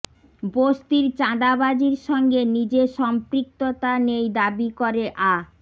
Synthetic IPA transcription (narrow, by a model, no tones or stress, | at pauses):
bost̪iɾt͡ɕad̪abad͡ʑiɾʃɔŋɡenid͡ʑeʃɔmpɾik̚t̪ot̪anejd̪abikoɾeʔa